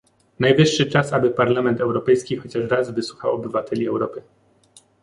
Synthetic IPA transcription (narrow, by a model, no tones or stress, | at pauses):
najvɘʂːɘt͡ʂasabɘpaɾlamɛnt̪ɛwɾɔpɛjskʲixɔt͡ɕaʂɾazvɘswuxawɔbɘvat̪ɛlʲiɛwɾɔpɘ